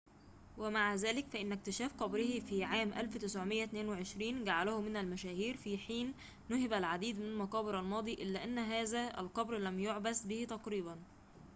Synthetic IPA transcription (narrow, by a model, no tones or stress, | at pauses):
wæmaʕazæːlɪkfæʔɪnːæk̚t̪ɪʃæːfqɑbɾɪhifiːʕaːmʔæ̰lfwt̪ɪsʕomɪjːæt̪neːnweʕeʃɾiːnɡaʕalæhʊmɪnælmæʃæːhiːɾfiːħiːnː | ʊhɪbælʕad̪iːd̪mɪnælmɑqɑːbeɾælmɑːd̪ˤiʔɪlːæːʔænːɦæːzæʔæ̰lqɑbɾlæmjoʕbæsbɪht̪ɑqɾiːbæn